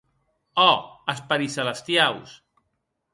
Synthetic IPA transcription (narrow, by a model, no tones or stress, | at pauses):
ɔəspaɾisələst̪jaws